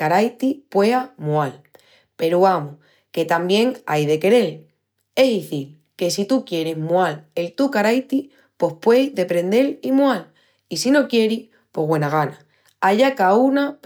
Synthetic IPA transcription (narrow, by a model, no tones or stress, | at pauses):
kaɾajt̪ipwe̞amual | pe̞ɾuamo | ke̞t̪ambje̞ŋajðe̞ke̞ɾe̞l | e̞ðiθil | ke̞sit̪ukje̞ɾezmualelt̪ukaɾajt̪i | po̞hpwe̞jðe̞pɾẽ̞nd̪e̞limwal | isino̞kje̞ɾi | po̞βwe̞naɣ̞ana | aʎakaunap